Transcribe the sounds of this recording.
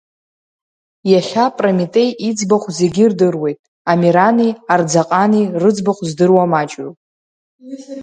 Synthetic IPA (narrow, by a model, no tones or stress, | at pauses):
jaχʲapʼramitʼe̞jʔid͡zbaχʷze̞ɡʲirdɨrwe̞jtʼ | amiɾaniard͡zaqʼanirɨd͡zbaχʷzdɨrwamat͡ʃʼɥu